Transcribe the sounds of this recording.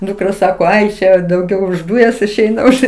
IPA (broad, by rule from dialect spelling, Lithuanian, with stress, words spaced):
dʊkˈrɐ ˈsɑːkoː ˈɐɪ ˈʃʲɛ dɐʊˈɡʲɛʊ ʊʃ ˈduːjɛs ɪʃʲˈɛɪnɐ ˈʊʃ